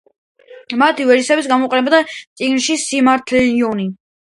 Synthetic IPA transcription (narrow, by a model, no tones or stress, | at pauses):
mat̪ʰivɛɾisɛbitsɡamɔqʼɛnɛbad̪at̪sʼiɡnʃisimaɾt̪ʰɛliɔni